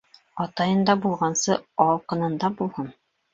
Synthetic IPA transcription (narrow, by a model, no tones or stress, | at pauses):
ɒt̪ɑjɤ̆nd̪ɑbulˠʁɑnsɤɒqɤ̆nɤ̆nd̪ɑbulˠhɤn